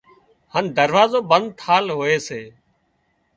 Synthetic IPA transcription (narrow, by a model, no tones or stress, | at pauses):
hənd̪əɾʋaːzoːbənd̪̚t̪ʰaːlɦoːeːseː